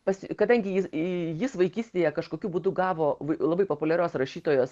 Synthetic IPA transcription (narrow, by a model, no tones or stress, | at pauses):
pɐsʲkɐd̪ɐŋʲɡʲɪjɪsjɪsʋɐɪkʲiːsʲt̪ʲeːjɛkɐʃkoːkʲuːbuːd̪ʊɡɑːʋoːʋɐlˠɐbɐɪpoːpʊlʲɛɾʲoːsrɐʃʲiːt̪oːjoːs